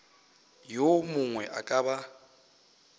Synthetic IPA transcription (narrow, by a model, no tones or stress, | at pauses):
jomʊŋwɛʔa̰kʼaba